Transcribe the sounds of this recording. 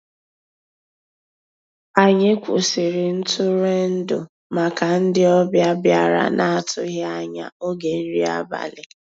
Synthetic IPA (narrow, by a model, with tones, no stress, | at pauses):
a˨ɲɪ˦kʷʊ̰˨sɪ˨ɾɪ˨n̩˦tʊ˦ɾe˦n̩˦dʊ˨ | ma˨ka˨n̩˦dɪ˦ɔ˦bja˦bja˦ɾa̰˨na˦tʊ˦ɣa˦a˦ɲa̰˨o˦ɡe˨n̩˦ɾi˦a˦ba̰˨lɪ˨